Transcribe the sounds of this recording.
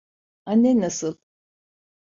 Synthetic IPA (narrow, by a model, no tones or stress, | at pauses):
anːɛnasɯlˠ